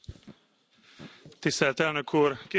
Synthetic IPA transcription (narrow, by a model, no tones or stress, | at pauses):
t̪ɪst̪ɛlt̪æːnøːkʰuːɾkɪ